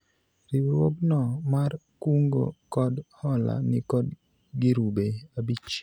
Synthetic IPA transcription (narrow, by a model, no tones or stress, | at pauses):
ɾiwɾwoɡnɔmarkuŋɡo̰kɔdhɔla̰nɪkɔd | ɡɪɾubeabit͡ʃ